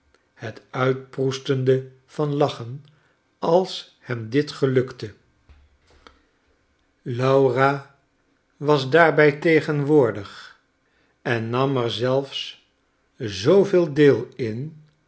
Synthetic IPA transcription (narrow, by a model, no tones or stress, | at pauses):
hətœɥt̚prustəndə | v̥ɑnlɑχən | ɑlˠs | hɛmdɪtχəlɵktə | lɑwra | ʋɑzdaːɹbɛjtejχənʋʊːɹdəχ | ɛnːɑmɛɹzɛlˠfs | zowvɪːlˠdɪːlˠɪn